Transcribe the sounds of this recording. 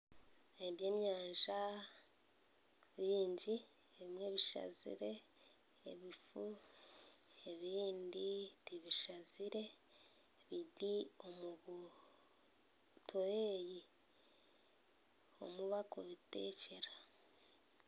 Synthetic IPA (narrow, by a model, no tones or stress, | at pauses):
eβje̞ːmɲaːɲʒa | βiːɲɟi | eβimŋe̞βiʃa̰zḭɾe̞ː | βifu | e̞βiːnditiβiʃaziɾe̞ | βiɾio̞muβu | tʰoeji | o̞̰muβako̰βite̞ːce̞ɾḁ